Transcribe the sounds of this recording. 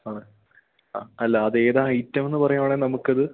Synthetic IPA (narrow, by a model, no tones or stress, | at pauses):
aːɳɨ | aːɐlːɐːðe̞ːðaːɐjtːɐme̞nːɨpɐrɐjumaːɳenɐmukːɐðɨ